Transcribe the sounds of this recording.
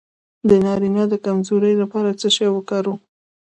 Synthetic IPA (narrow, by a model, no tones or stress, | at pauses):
d̪ənɑɾinad̪əkamzoɾəjlapɑɾat͡səʃajwəkaɾu